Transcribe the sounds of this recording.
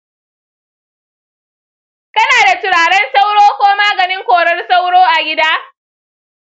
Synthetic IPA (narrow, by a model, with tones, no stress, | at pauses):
kɐ˦naː˨da˨tʊ˨ɽaː˨ɽɛ˦nsa˦wɽoː˦kʷoː˦maː˦ɡɐ˨nɪ˦ŋkʷoː˨ɽɐ˦rsa˦wɽoː˦ʔa˨ɡʲɪ˦daː˦